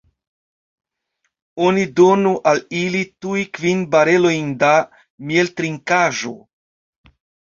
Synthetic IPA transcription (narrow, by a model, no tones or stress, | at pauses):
onido̞nuʔalilitujkvinbaɾe̞lo̞jnda | mieltɾiŋkaʒo̰